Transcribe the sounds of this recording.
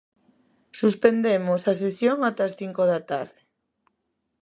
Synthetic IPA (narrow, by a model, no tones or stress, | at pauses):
suspend̪emosas̬esjoŋat̪ɐsθiŋkoðat̪aɾðe